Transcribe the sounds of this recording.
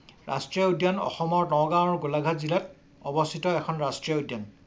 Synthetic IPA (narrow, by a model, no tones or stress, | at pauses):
ɹa̰stɹiaodjanɔ̰xɔmɔɹnɔɡãɔɹɡolaɡʱazilɛt | ɔbɔstʰitɔɛkʰɔnɹastɹiaodjan